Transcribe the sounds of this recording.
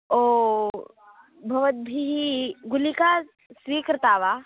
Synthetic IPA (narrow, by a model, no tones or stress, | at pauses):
o | bʱɐʋət̪̚bʱiɦiɡulika | sʋiːkɾɐt̪aːʋa